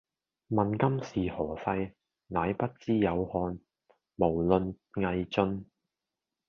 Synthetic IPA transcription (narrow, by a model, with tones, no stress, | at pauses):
mɐ˨nkɐ˥msiː˨hɔː˨˩fɐ˧j | naː˨˧jpɐ˥t̚t͡siː˥jɐ˨˧whɔː˧n | mo˨˩wlɵ˨n | ŋɐ˧jt͡sɵ˧n